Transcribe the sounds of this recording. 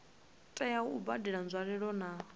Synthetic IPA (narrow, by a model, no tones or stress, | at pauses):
tʼɛjauubadiɺand͡zʷwaɺɛɺɔna